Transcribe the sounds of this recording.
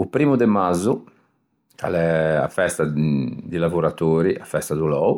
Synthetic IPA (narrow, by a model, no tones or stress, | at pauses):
upɾiːmud̪ɛmazu | kʰa̰lɛa̰fɛst̪ad̪ilavoɾat̪oːɾiafɛst̪ad̪ulɔːu